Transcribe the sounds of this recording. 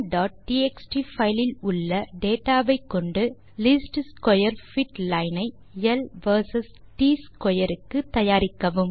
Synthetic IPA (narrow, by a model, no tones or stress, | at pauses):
ɖaːʈ̚ʈiːɛksʈifɐɪlɪlʊɭːɐɖeːʈːaːʋɐɪkːɔɳɖɯ | lɪsʈskɔjɐɾfɪʈlɐɪnɐɪ | ɛlʋɐɾsɐsʈiːskɔjɐɾɯkːɯt̪ːɐjaːɾɪkːɐʋɯm